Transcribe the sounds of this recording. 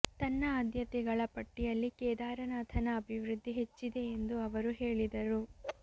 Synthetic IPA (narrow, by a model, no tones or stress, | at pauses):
t̪ɐnːɐaːd̪jɐt̪ɛɡɐɭɐpɐʈːijɐlːikɛːd̪aːɾɐnaːt̪ʰɐnɐːbʱiʋɾud̪ʱːiɦe̞t͡ʃːid̪e̞ːnd̪uɐʋɐɾuɦeːɭid̪ɐɾu